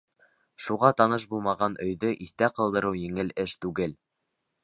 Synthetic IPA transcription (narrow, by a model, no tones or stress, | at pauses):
ʃuʁɑt̪ɑnɤʃ̬bulˠmɑʁɑnʔɵ̆jðɵʔiθt̪æqɤ̆lˠd̪ɤ̆ɾɤwjɘ̆ŋɘlɘʃt̪ʉɡɘl